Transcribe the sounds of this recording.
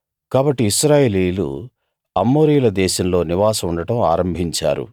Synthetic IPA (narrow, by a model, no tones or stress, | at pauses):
kaːbɐʈːiːʃɾaːjeːliːlṵ | ɐmːoːɾiːjlɐd̪ɛːʃɐmlo̞ːniʋaːsɐmuɳɖɐʈɐma̰ːɾɐmbʱiɲt͡ʃa̰ːɾṵ